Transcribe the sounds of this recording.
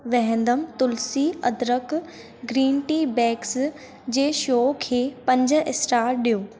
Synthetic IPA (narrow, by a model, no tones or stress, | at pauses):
ʋɛɦɛ̃nd̪əmt̪ʊlsiːɐd̪ɾək | ɡɾiːnʈiːbɛːks | d͡ʑeːʃoːkʰeːpɐ̃ɲd͡ʑɪsɾaːɾɗijoː